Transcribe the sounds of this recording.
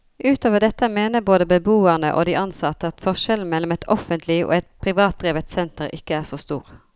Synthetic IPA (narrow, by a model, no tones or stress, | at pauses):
ʔʉːt̪ʰoːʋəɖ̪ɛt̪ːəmeːnəboːd̪əbəbuːəʁnəʔo̰ːd̪iʔɑnsɑt̪əɑt̪fɔʁʃɛlmɛlːɔmɛt̪ʰɔfənt̪ʰlɪʔo̰ːɛt̪̚pʰʁɪʋɑːt̪̚d̪ʁiːʋət̪sɛnt̪əʁɪkːəæːʁsoːst̪ṵːʁ